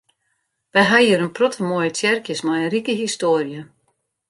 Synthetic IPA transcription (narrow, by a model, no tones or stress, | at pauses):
ʋɛjɦaiəɾənprɔtʰəmojətʰjɛrkjəsmajənrikəɦistoərjə